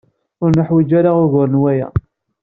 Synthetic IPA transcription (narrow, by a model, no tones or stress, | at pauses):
ʊɾnəħwid͡ʒaɾaʊɾɣʊɾənwæjæ̰